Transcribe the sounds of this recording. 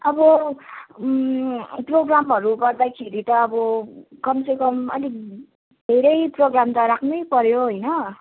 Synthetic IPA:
ʌbʌ | proɡramɦʌɾuɡʌrd̪akʰeɾit̪ʌːbʌkʌmsʌkʌmʌ̰li | d̪ʱeɾʌjproɡramt̪ʌɾakʰnujpʌɾjoɦʌjnʌ

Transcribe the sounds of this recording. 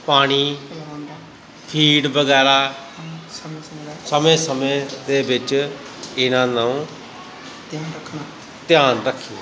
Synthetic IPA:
paːɽ̃iː | pʰiːɖbəɡɛːɾaː | səmẽːsəmẽːd̪eːbɪt͡ʃ | ɪnãːnaũː | t̪ːəkʰnː | t̪ɪjaːnɾəkʰːi

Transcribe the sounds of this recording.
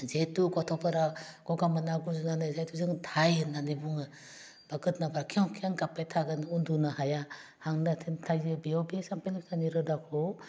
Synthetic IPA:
zetukɔtʰɔpʰaɾakɔɡamanaɡuzɯnanɯzajtʰuzɯŋtʰajɯnːanɯbuŋɯ | b̥aɡɯt̚nabaɾakʰiawkʰiaŋkapajtʰaɡɯnundunahajahaŋnatʰintʰajzɯbiɔwbesampelik̚sʰaniɾɯdakʰɔ

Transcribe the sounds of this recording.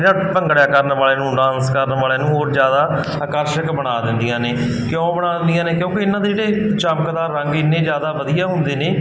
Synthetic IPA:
ɾãːpəŋɡɽjaːkəɾnʋaːleːnũːɖãːnskəɾnʋaːleːnũːɦoːɾzjaːd̪aː | əkəɾʃəkbəɽ̃aːd̪ɪnd̪ɪjãːneː | kɪjõːbəɽaːd̪nd̪ɪjãːneːkjõːkɪɪnːãːd̪eːd͡ʒeːɽeːt͡ʃəmkd̪aːɾəŋɡɪneːd͡ʒjaːd̪aːʋəd̪ijaːɦʊ̃nd̪eːneː

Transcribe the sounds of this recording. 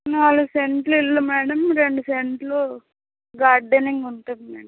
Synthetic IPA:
naluseɳʈluilːumɛːɽɐmɾeɳɖuseɳʈlo | ɡaːɾɖeniŋɡunʈ̪ɐd̪imɛ̰ːɽɐm

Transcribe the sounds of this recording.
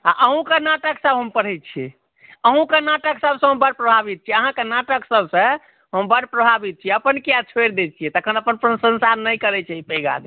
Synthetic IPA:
a̰ʔəɦũkenaʈəksəbɦəmpəɽ̤ɛt̪̚t͡ʃʰiɛ̰ | əɦũkənaʈəksəbsə̃ɦəmbəɽpɾəbʱabit̪̚t͡ʃʰiɛəɦãkenaʈəksəbʱsə̃ | ɦəmbəɽpɾəbʱabit̪̚t͡ʃʰiɛəpənkijat͡ʃʰweɾd̪et̪̚t͡ʃʰiɛt̪əkʰənəpənpɾənsə̃nsaɾnəjkəɾɛt͡ʃʰaɦipɛɡa̰d̪

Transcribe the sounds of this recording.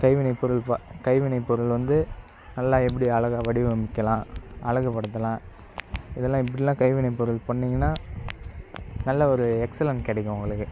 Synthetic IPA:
kɐɪʋɪɳɐɪpːɔɾɯlpɐkɐɪʋɪɳɐɪpːɔɾɯlʋɐnd̪ɯ | nɐlːaːɛp̬ːɐɽiɐɭɐɣaːʋɐɽɪʋɯɐmbɪkːɐlãːʔɐɭɐɣɐpːɐɽɯt̪̬ːɐlãː | ɪðɛlːãːɪp̬ːɐɽɪlãːkɐɪʋɪɳɐɪpːɔɾɯlpɐɳːɪŋɡɐnːaː | nɐlːɐɔɾɯɛksɐlɐnkɪɽɛkːʊ̃ʊ̃ŋɡɐɭɯkːɯ

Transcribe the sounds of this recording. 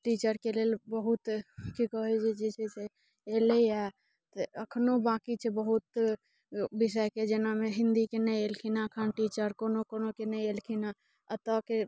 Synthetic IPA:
ʈit͡ʃəɾkelelbəɦut̪kikəɦɛt͡ʃed͡ʒesʰese | eləia | t̪əəkʰnobãkit͡ʃʰebəɦut̪ | bisəjked͡ʒenameɦɪ̃nd̪ikenə̃ielkʰinaəkʰənʈit͡ʃəɾkonokonokenəielkʰina | ət̪əke

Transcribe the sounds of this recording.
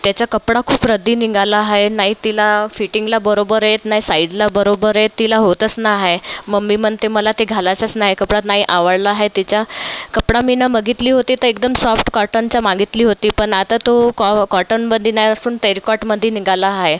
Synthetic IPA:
t̪jat͡ɕjakəpɽakʰuːpɾəd̪ʱiːniɡalaɦaɦenaɦit̪ilafiʈiŋɡlabəɾobəɾjet̪naɦisaid͡zlabəɾobəɾet̪ːilaɦot̪ət͡snaɦeməɡmːiməɳt̪eməlat̪eɡʱalat͡sat͡snaɦekəpɽat̪naɦiʔaʋəɭlaɦet̪it͡ɕjakəpɽaminaməɡit̪liːɦot̪iːt̪əɾekd̪əmsɔfʈkɔɾʈənt͡ɕjamaɡit̪liːɦot̪iːpəɳat̪at̪okkɔɾʈənbəd̪ʱːinaɦiəsuːnʈəjɾkɔʈməd̪ʱːjeniŋɡalaɦaɦe

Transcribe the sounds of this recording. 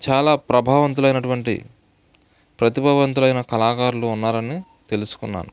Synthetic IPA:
t͡ʃaːlaːpɾɐbʱaːʋɐnt̪̬ulɐjnɐʈuʋɐɳʈḭ | pɾɐt̪ibʱɐʋɐnt̪̬ulɐjnɐkɐlaːkaːɾluːnːaːɾɐni | t̪e̞lusu̥kunːa̰ːnu

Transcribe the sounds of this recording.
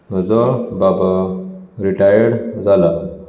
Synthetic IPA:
d͡zəbabaɾiʈajəɽd͡zala

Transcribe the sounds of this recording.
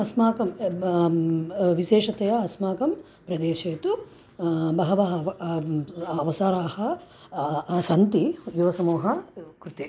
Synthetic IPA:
ɐsmaːkɐm | ʋiʃeːʂɐt̪ɐjɐɐsmaːkɐm | pɾɐd̪eːʃeːt̪u | bɐɦɐʋɐɦɐ | ɐʋɐsaːɾaːhɐ | sɐnt̪ijuʋɐsɐmuːɦɐkɾut̪i

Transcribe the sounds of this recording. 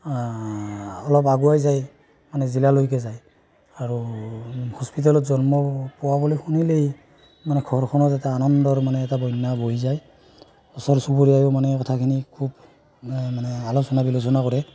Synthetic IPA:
ɔlɔpaɡuajzaj | manɛzilalojk̬ɛzaj | aɹu | hɔspit̬alɔtzɔnmɔpɔwabɔlojxunilej | manɛkʰɔɹkʰɔnɔzatɛanɔndɔɹmanɛːtabɔjnːabojizaj | ɔsɔɹsuboɹiajomanɛkɔtʰakʰinikʰub | manɛalɔsɔnabilosɔnakɔɹɛ

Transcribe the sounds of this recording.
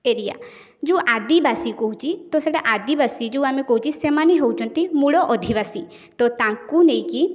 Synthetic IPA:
eɾija̰ | d͡ʒuʔad̪ibasikɔɦut͡ʃʰit̪ɔseʈaʔad̪ibasid͡ʒuwamekɔɦut͡ʃʰisemaniɦowt͡ʃʰɔnt̪imuɭɔʔɔd̪ʱiβasi | t̪ɔt̪aŋkunej̃ki

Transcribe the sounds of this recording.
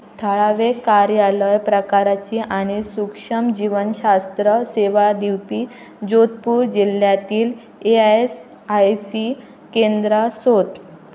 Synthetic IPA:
t̪ʰəɭaʋekaɾjaləjpɾəkaɾat͡ɕiːʔaɽ̃isukʂəmd͡ʑiʋənɕast̪ɾəseʋad̪iwpiː | d͡ʑot̪̚puːɾd͡ʑil̤jat̪iːl | ees | ajsi | kend̪ɾəsot̪

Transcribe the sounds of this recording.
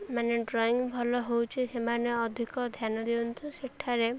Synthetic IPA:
maneɖɾɔiŋbʱɔlɔɦowt͡ʃʰisemaneɔd̪ʱikɔd̪ʱjanɔd̪iunt̪ʰuseʈʰaɾe

